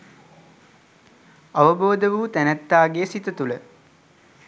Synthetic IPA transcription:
ɐʋəboːd̪əʋuːt̪ænæt̪ːaːɡejəsit̪ət̪ulə

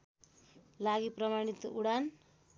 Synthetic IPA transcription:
laɡiprʌmaɽ̃it̪uɽan

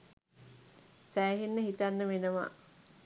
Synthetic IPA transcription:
sæːɦenːəɦit̪anːəʋenəʋa̰

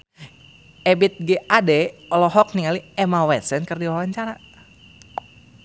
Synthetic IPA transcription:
ɛbit̪̚ɡɛʔadɛɔlɔɦɔk̚niŋaliɛmawɛt̪sɛnkərdiwawaɲt͡ʃaɾa

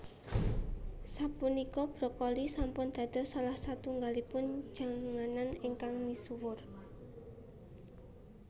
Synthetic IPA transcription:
sapunikɔb̥ɾɔkɔlisampʊnd̪̥a̤d̪̥ɔ̤salahsat̪uŋɡalipʊn̥d͡ʒ̥a̤ŋananiŋkaŋmisuwʊr

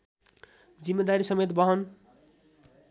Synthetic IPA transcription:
d͡zimːed̪aɾisʌmet̪bʌɦʌn

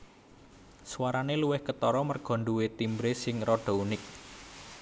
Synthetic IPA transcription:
swaɾaneluwɪhkət̪ɔɾɔmərɡ̥ɔ̤ɳɖuwet̪imbɾesɪŋɾɔɖ̥ɔ̤unɪk̚

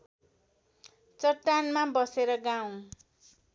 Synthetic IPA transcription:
t͡sʌʈːanmabʌseɾʌɡaw̃

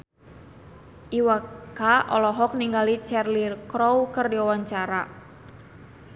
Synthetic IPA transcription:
ʔiwakaʔɔ̰lɔɦɔk̚niŋɡalit͡ʃɛrlirkɾɔwkərdiawaɲt͡ʃaɾa

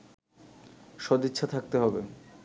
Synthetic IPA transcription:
ʃɔd̪it̪ːɕʰat̪ʰak̚t̪eɦɔbe

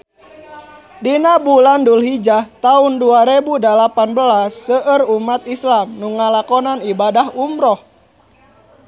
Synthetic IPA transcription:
dinabulandulɦid͡ʒaht̪aunduaɾebudəlapanbəlasːəʔərumat̪islamnuŋːalakɔnanibadahumɾɔh

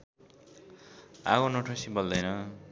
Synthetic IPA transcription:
a̰ɣonoʈʰosibʌld̪ʌjnʌ

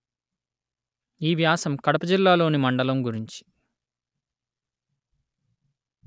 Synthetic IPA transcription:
iːʋjaːsɐmkɐɽɐpɐd͡ʒilːaːlo̞ːnimɐɳɖɐlɐmɡuɾiɲt͡ʃi̥

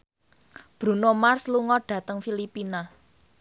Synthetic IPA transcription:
b̥ɾunomarsluŋɔɖ̥ä̤t̪əŋfilipina

